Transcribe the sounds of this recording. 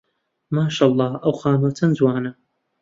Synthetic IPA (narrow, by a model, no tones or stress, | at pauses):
maːʃaːlˠˤːɑːʔɐwxaːmɐwt͡sʰɐnzwaːnɐ